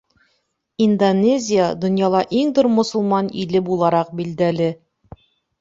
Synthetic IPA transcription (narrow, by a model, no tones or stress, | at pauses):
ind̪onʲezʲɪjad̪ŏnjɑlˠɑʔiŋt̪uɾmŏsŭlˠmɑnilɘbulˠɑɾɑq̚bild̪ælɘ